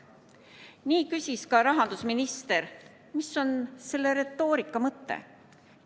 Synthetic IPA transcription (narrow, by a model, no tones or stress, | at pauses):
niːkysʲiskɑɾɑɦɑnd̪̥usminist̪e̞ɾ | misːo̞nse̞lːe̞ɾe̞t̪ːˑoːɾikːˑɑmɤt̪ːḛ